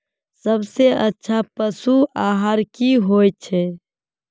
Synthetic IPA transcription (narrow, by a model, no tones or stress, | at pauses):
səbseətːʃʰapəsuaːɦəɾkiɦojt͡ʃʰɛ